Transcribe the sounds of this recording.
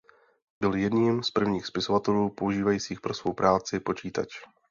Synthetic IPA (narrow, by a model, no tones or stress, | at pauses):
bɪljɛdɲiːmspr̩vɲiːxspɪso̞vat̪ɛluːpo̞uʒiːvajiːt͡siːxpɾo̞sv̥o̞wpɾʔaːt͡sɪpo̞t͡ʃiːt̪a̰t͡ʃ